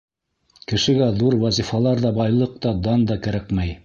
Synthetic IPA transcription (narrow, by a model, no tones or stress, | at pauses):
kɘ̆ʃɘ̆ɡæðuɾwɑzifɑlˠɑɾðɑbɑjlˠɤq̚t̪ɑd̪ɑnd̪ɑkæ̆ɾækmæj